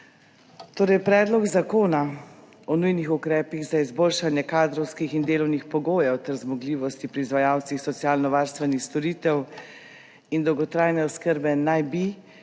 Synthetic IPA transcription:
t̪oːɾɛjpɾɛːd̪lɔɡzakoːna | ɔnujnixukɾɛːpiɣzaizboːlʃanjɛkaːd̪ɾɔwskixind̪eːlɔwnixpɔɡoːjɛwt̪ɛɾzmɔɡliːʋɔst̪ipɾiːzʋajaːwt̪sixsɔt̪siaːlnɔʋaːɾst̪ʋɛnixst̪ɔɾiːt̪ɛw | ind̪ɔwɡɔt̪ɾaːjnɛɔskəɾbɛnajbi

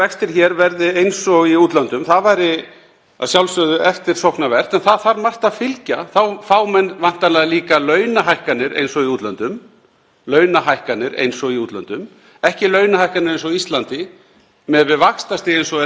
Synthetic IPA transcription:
ɛkst̪ɪɾ̥çɛɾvɛɾðɪejnsɔɣiuːt̪lant̪ʏmθaðvajɾɪ | aðsjawlsœðʏɛft̪ɪɾ̥sɔwhknavɛr̥t̪ɛnθaðθaɾmar̥t̪aðfɪlcaθawfaːwmɛnvan̥t̪anaðaliːkalœːɥnaɦajhkanɪɾḛjnsɔɣiuːt̪lant̪ʏm | lœːɥnaɦajhkanːɪɾḛjnsɔɣiuːt̪lant̪ʏm | ɛhcɪlœːɥnahajhkanɪɾejns̬ɔɣist̪lant̪ɪ | mɛðvɪðvakst̪asiejnsɔ

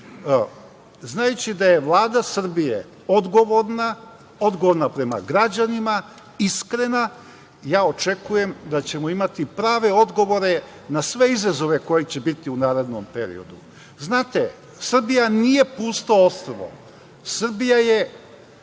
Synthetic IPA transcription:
znajut͡ɕid̪aje̞ʋlˠaːd̪asr̩bijḛ | o̞d̪ɡo̞ʋo̞ɾna | o̞d̪ɡoʋoɾnapɾe̞ma̰ɡɾad͡ʑanima | iskɾe̞na | jaːo̞t͡ʃe̞kuje̞md̪at͡ɕe̞moimat̪ipɾaːʋe̞o̞d̪ɡo̞ʋo̞ɾe̞ | nasʋe̞izazo̞ʋe̞ko̞jit͡ɕe̞bit̪iunaːɾe̞d̪nompe̞ɾḭo̞̰d̪u | znaːt̪e | sr̩bijanije̞puːst̪oost̪ɾoʋo̰ | sr̩bijaje̞

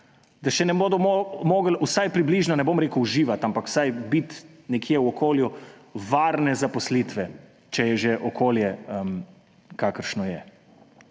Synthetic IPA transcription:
d̪aʃɛnɛboːd̪ɔomoːɡlusajpɾibliʒnɔnɛbomɾeːkuːʒiːʋat̪ampakw̥sajbit̪ | nɛkʰiɛwɔkʰoːljuʋaːɾnɛzapɔslit̪ʋɛ | t͡ʃɛjɛʒɛʔɔkʰoːljɛm | kaːkəɾʃnɔjɛ

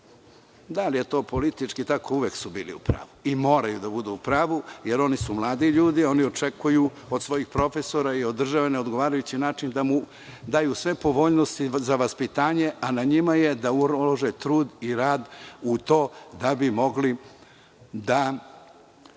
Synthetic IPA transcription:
d̪alije̞t̪o̞ːpo̞lit̪it͡ʃkit̪ako̞uʋeksubiːlḭṵpɾa̰ːʋuimo̞ːɾajud̪abud̪uupɾaːʋujeɾo̞nisumlˠaːd̪iʎuːd̪io̞nio̞t͡ʃekuju | od̪sʋo̞jixpɾo̞fe̞so̞ɾaio̞d̪ːr̩ʒaʋeneo̞d̪ɡo̞ʋaːɾajut͡ɕinaːt͡ʃind̪amu | d̪aːjusʋe̞po̞ʋo̞ːʎnost̪izaʋaspit̪aːɲe̞ʔanaɲimaje̞d̪auoʒet̪ɾuːd̪iɾaːd̪ut̪o̞ːd̪abimo̞ɡli | d̪a

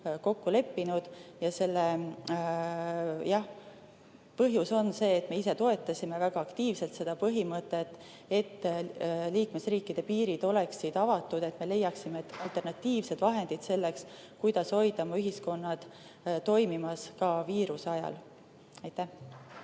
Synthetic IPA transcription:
ko̞kːule̞pːinud̪̥jɑse̞lːe | jɑh | pɤɦjuso̞nse̞ːt̪me̞ise̞t̪o̞e̞t̪ːˑɑsʲime̞væɡ̥ɑɑkt̪iːvse̞lt̪se̞d̪̥ɑpɤɦimɤt̪ːˑet̪ːˑ | et̪ː | liːkme̞sriːkːˑid̪̥e̞piːɾid̪̥o̞le̞ksid̪̥ɑvɑt̪ːˑud̪̥e̞t̪me̞le̞jːɑksimet̪ːɑlt̪ˑe̞rnɑt̪ːiːvse̞d̪̥vɑɦe̞nd̪̥id̪se̞lːe̞ks | kujd̪̥ɑsho̞jd̪ɑmɑyɦisko̞nːɑd̪̥t̪o̞jmimɑskɑviːɾuseɑjɑ̰l | ɑjt̪æh

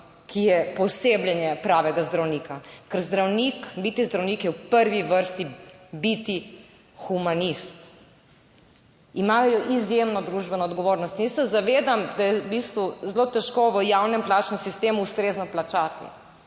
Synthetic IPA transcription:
kʰijɛpɔsebljɛnjɛpɾaːʋɛɡazd̪ɾawniːkakəɾzd̪ɾawnikbit̪izd̪ɾawniːkjɛwpəɾʋiʋəɾst̪ibit̪i | xumanist̪ | imaːljɔʔizjemnɔd̪ɾuʒbɛnɔːd̪ɡɔʋoːɾnɔst̪nisɛzaʋeːd̪amd̪ajɛbist̪ʋuzlot̪ɛʃkoʋəjawnɛmplaːt͡ʃnɛmsist̪eːmuːst̪ɾeːznɔplat͡ʃaːt̪ḭ

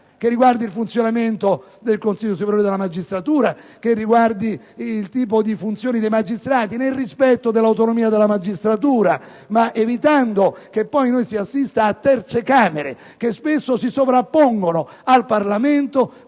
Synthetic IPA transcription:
kerːiɡward̪ilfunt̪sjonament̪o | d̪elkonsiʎːosupeɾjoɾed̪elamad͡ʒːist̪ɾat̪uːɾa | kerːiɡward̪iː | lt̪iːp̬od̪ifunt̪sjoːnid̪ejmad͡ʒist̪ɾaːt̪inelrispɛt̪ːod̪elːawt̪onomiːad̪elamad͡ʒist̪ɾat̪̬uːɾa | maʔevit̪and̪ok̟epːɔjnojsiasːist̪aːt̪ːɛrt̪sekaːmeɾḛ | kespesːosisovɾapːoŋɡono | alparlament̪o

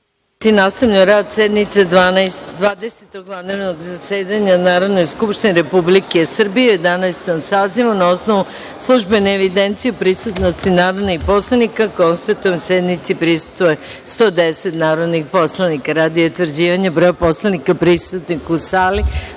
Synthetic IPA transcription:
inaːst̪aʋʎaoɾad̪sed̪nit̪sed̪ʋand̪ʋaːd̪eset̪oɡʋand̪eɾnoɡzaseːd̪aɲanaːɾo̞d̪no̞jskupʃt̪ineɾe̞publikesr̩bijeje̞d̪anajst̪omsaːziʋunao̞sno̞ʋu | slˠuʒbe̞neːʋid̪e̞nt̪sijeupɾisut̪no̞st̪inaːɾo̞d̪nixpo̞slˠanikako̞nst̪at̪oensjed̪nit̪sipɾisu̥st̪ʋoje | st̪o̞d̪eset̪naːɾo̞d̪nixpo̞slˠanikaɾaːd̪ijout̪ʋrd͡ʑiːʋaɲabɾoopo̞slˠanikapɾist̪ut̪nikusaːli

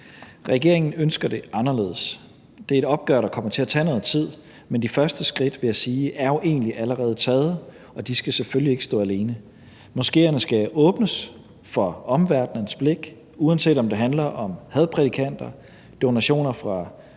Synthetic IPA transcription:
ʁɛɡ̥e̝ɐ̰e̝ŋn̩ønsɡ̥ɐd̥e̝ʔɑ̈nɐle̝ːðˠs | d̥e̝æɐeɾɒ̽b̥̚ɡ̥œɐɾɑ̈kʰɒ̽m̰ɐt͡sʰe̝æt͡sʰɛ̰ːnɔ̽ːð̩ˠt͡sʰið̰ˠ | mend̥ifɶɐsd̥əsɡ̥ʁid̥ʋe̝jæsiːʔæɐjo̝ʔe̝̰ːnliʔæləʁɛːð̞̩ˠət͡sʰɛːð̞̩ˠə | ɒ̽d̥isɡ̥æseføljie̝ɡ̥sd̥ɔ̰ːæle̝ːnə | mɔ̽sɡ̥e̝̰ːɐnəsɡ̥æʔɔ̽ːb̥nəs | fɒ̽ɒ̽mʋæɐd̥nənsb̥le̝ɡ̥ | uænse̝̰ːd̥ɒ̽md̥e̝ɦænlɐʔɒ̽mhæð̞ˠpʰʁɛd̥ikʰæn̰d̥ɐ | d̥o̝næɕo̝̰ːnɐfʁɑ̈

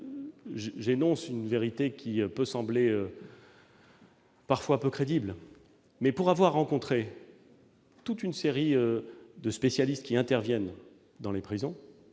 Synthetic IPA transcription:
ʒʒenɔ̃synveʁit̪ekʲʰiøpøsɑ̃bleø | paʁfwapøkχed̪ibl | mɛpuʁavwaʁːɑ̃kɔ̃t̪χe | t̪ut̪ynseʁiød̪əspesjalist̪̚kʲiɛ̃t̪ɛʁvjɛn | d̪ɑ̃lepχizɔ̃

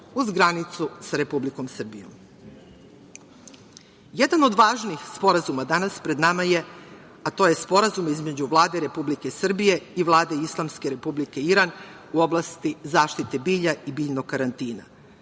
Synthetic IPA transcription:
uzɡɾanit̪susaɾe̞publiko̞msr̩bḭjo̰m | jed̪ano̞d̪ʋaːʒniːxspo̞ɾazumad̪anaspɾe̞d̪namaje̞ | at̪o̞ːje̞spo̞ɾazumizme̞d͡ʑuʋlˠaːd̪eɾe̞publikesr̩bije̞iʋlˠaːd̪e̞islˠamske̞ɾe̞publike̞iɾan | uo̞blˠast̪izaːʃt̪it̪e̞biːʎaibiːʎnokkːaɾant̪iːna̰

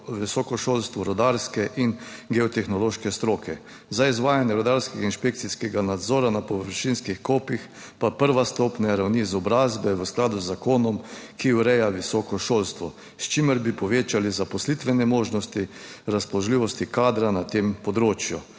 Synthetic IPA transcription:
ʋisɔkɔʃoːlst̪ʋɔɾɔd̪aɾskɛʔinɡɛɔt̪ɛxnɔloːʃkɛst̪ɾoːkʰɛ | zaizʋaːjanjɛɾɔd̪aɾskɛɡainʃpekt̪siskɛɡanad̪zɔːɾanapɔʋəɾʃinskixkoːpix | papəɾʋast̪ɔːpnɛɾawnizɔbɾazbɛʋəsklad̪uzːakoːnɔmkʰiuɾɛjaʋisɔkɔʃoːlst̪ʋɔ | st͡ʃiməɾbipɔʋeːt͡ʃalizapɔslit̪ʋɛnɛmoːʒnɔst̪iɾaspɔlɔʒliːʋɔst̪ikaːd̪ɾanat̪empɔd̪ɾoːt͡ʃju

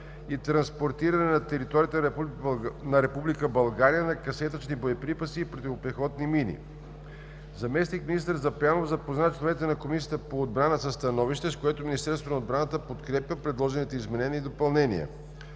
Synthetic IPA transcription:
it̪ɾɐnspoɾt̪iɾɐnɛnɐt̪ɛɾit̪ɔɾijət̪ɛ | nɐɾɛpublikəbɐlˠɡaɾijənɐkɐsɛt̪ət͡ʃnibojɐpɾipəsiːpɾot̪ʲivopɾɛxɔd̪niminḭ | zɐmɛsnikminist̪əɾzɐplʲanovzɐpoznat͡ʃlˠovɛnit̪ɛnɐkomisijət̪əpoːd̪̚bɾanəsəst̪ɐnɔviʃt̪ɛskoɛt̪ominist̪ɛɾst̪vonəod̪bɾanət̪əpot̪kɾɛpʲjəpɾɛd̪lˠɔʒɛnit̪ɛizmɛnɛniid̪opɐlˠnɛnḭə̰

